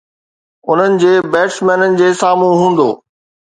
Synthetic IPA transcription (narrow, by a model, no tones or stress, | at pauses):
ʊn̤ənɪ̆d͡ʑeːbɛːʈsmɛːnənɪ̆d͡ʑeːsaːmũɦũːn̆d̪oː